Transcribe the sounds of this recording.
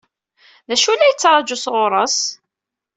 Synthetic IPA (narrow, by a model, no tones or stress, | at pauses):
ðæʃulːæjət͡sːɾˤɑd͡ʒusʁoɾˤəs